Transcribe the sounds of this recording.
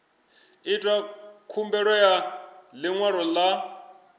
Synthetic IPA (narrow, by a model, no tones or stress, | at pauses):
itʼwakʰumbɛɺɔjalɪŋwaɺɔla